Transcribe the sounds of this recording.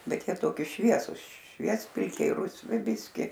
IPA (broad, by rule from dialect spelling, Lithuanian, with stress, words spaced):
ˈbʲɛt ˈjiɛ ˈtoːkʲɪ ˈʃʲʋʲiɛsʊs ˈʃʲʋʲiɛsʲpʲɪlʲkʲɛɪ rʊsʲˈʋʲɪ ˈbʲɪsʲkʲɪ